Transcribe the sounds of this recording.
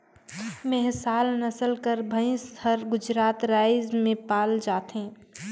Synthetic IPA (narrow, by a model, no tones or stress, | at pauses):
mɛɦsaːlnəsəlkəɾbʱəĩst̪ʰəɾɡʊd͡ʒɾaːt̪ɾaːɪzmẽpaːld͡ʒaːt̪ɦẽː